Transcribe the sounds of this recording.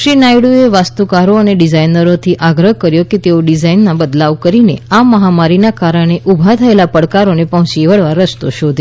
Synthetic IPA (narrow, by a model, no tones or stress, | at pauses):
ʃɾinajɽueʋast̪ukaɾoəneɖizainəɾot̪ʰiʔaɡɾəɦkəɾjoket̪eoɖizainːabəd̪laʋkəɾineaməɦamaɾinakaɾəɽ̃eʔubʱat̪ʰəelapəɽkaɾonepəɦʊ̃t͡ʃiʋəɭʋaɾəst̪oʃod̪ʱ